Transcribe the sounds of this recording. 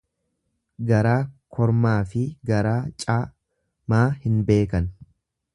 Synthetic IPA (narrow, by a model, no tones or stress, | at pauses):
ɡɐɾaːkʰɔɾmaːfɪɡɐɾaːt͡ʃʼaː | maːhɪnbe̞ːkɐn